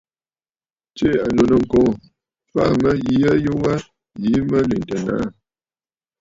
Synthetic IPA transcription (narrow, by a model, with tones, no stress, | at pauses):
t͡ʃe˦a˨no˨nə˨ŋ̩˨kɔ̃˦˨ | fa˦mə˦ji˦ə˦jo˦wa˦ | ji˨˦mə˦li˨n˨tə˨na̰˨˦˨